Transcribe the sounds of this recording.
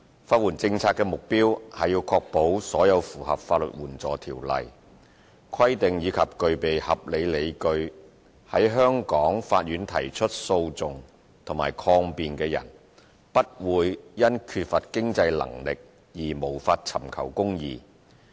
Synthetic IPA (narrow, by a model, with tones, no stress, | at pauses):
faː˧t̚wuː˨˩nt͡sɪ˧ŋt͡sʰaː˧t̚kːɛː˧mʊ˨k̚piː˥whɐ˨jiː˧wkʰɔː˧k̚po˨˥wsɔː˨˥jɐ˨˧wfuː˨˩hɐ̰˨p̚faː˧t̚lɵ̰˨˩t̚wuː˨˩nt͡sɔː˨˩t̪ʰiː˨˩wlɐ̰˨j | kʰɐ˥jt̪ɪ˨ŋjiː˨˧kʰɐ˨p̚kɵ˧ɥpe˨jhɐ˨p̚le˨˧jle˨˧jkɵ˧ɥ | hɐ˨˥jɦœː˥ŋkɔː˨˥ŋfaː˧t̚jyː˨˥nt̪ʰɐ˨˩jt͡ʃʰɵ˥t̚so˧wt͡sʊ˨ŋ | t̪ʰʊ˨˩ŋmaː˨˩jkʰɔː˧ŋpiː˨nkɛː˧jɐ̰˨˩n | pɐ˥t̚wuː˨˧jːɐ˥nkʰyː˧t̚fɐ˨t̚kɪ˥ŋt͡sɐ˧jlɐ̰˨˩ŋlɪ˨k̚ | jiː˨˩mo˨˩wfaː˧t̚t͡sʰɐ̰˨˩mkʰɐ̰˨˩wkʊ˥ŋjḭː˧